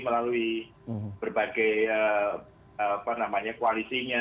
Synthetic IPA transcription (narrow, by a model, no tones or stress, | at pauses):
məlalui | b̥ərbaɡajə | əpanamaɲakualisiɲa